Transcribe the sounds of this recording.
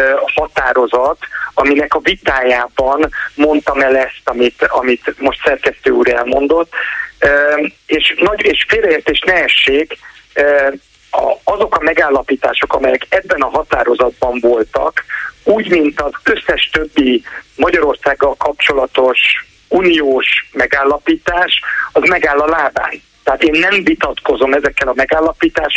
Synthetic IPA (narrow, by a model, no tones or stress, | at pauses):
hɒt̪a̰ːɾo̞zɒt̪ɒminɛkɒvit̪aːjaːbɒnmo̞nt̪ɒmɛlɛst̪ɒmit̪ɒ̰mit̪mo̞ʃt̪sɛrkɛst̪øːṵːɾɛ̰lmo̞̰nd̪o̞t̪ː | eːʃnɒɟeːʃfeːlrɛeːrt̪eːʃnɛɛʃːeːkː | ɒ̰ɒzo̞kɒmɛɡaːlːɒpiːt̪a̰ːʃo̞kɒmɛjɛkɛbːɛnɒɦɒt̪a̰ːɾo̞zɒd̪̚bɒɱvo̞lt̪ɒ̰kuːɟmint̪ɒzø̞sːɛʃt̪øbːimɒɟɒɾo̞rsaːɡːɒlkɒp̚t͡ʃo̞lɒt̪o̞ʃ | uːnijoːʃmɛɡaːlːɒpiːt̪aːʃɒzmɛɡaːlːɒlaːba̰ːn | t̪ɛɦat̪eːnːɛɱvit̪ɒt̪ko̞zo̞mɛzɛkːɛlɒmɛɡaːlːɒpiːt̪aːʃ